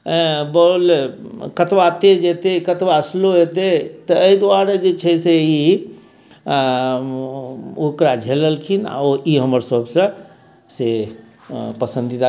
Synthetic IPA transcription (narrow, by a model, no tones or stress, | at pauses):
bəl | kət̪ʋat̪ed͡ʒet̪ekət̪ʋasloɦet̪et̪əːid̪uaɾed͡ʒet͡ʃʰəjsei | okɾad͡ʒʱeləlkʰina̰oʔiɦəməɾsəbsə̃ | se | pəsə̃nd̪id̪a